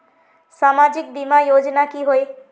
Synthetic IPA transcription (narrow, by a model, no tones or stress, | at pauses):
samad͡ʒik̚bimajod͡ʒnakiɦoe